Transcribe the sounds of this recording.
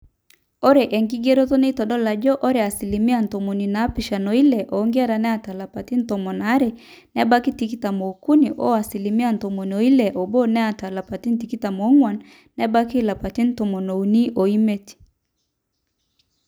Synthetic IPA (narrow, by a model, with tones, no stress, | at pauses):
o˦ɾe˨ʔɛ˨ŋɡi˦ɡe˦ɾo˦tɔ˦ne˦tɔ˨ɗɔ˦la˨d͡ʒɔ˦ʔo˦ɾe˨a˨si˨li˨mi˦a˨n̩˨tɔ˨mo˨ni˨naː˨˦pi˨ʃa˨nɔ˨i˦lɛ˨ʔɔː˨˦ŋɡe˦a˦ɾa˨nɛ˦a˦˨ta˨la˨pa˨ti˦n̩˦tɔ˨mɔ˨na˨˦ɾe˨ | nɛ˦ba˦ki˦ti˦ki˦ta˨mo˨ku˦ni˨ʔɔ̰˦a˨si˨li˨mi˦a˦˨n̩˨tɔ˨mo˨nɔ˨i˦lɛ˨ʔɔ˨bo˦nɛ˦a˨ta˨la˨pa˨ti˦n̩˦t̬i˨ki˦ta˨mɔ˨˦ŋwa˨nː | ɛ˦ba˦ki˦la˨pa˨ti˦n̩˦tɔ˨mɔ˨no˨u˨ni˦ʔo˨i˦me˦ti̥˨